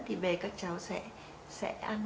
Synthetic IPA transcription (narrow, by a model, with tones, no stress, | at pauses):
t̪ʰi˨˩ɓe˨˩kaː˦˥k̚t͡ɕa˨˦wsɛ̰˧˥ | sɛ̰˧˥ʔa˧n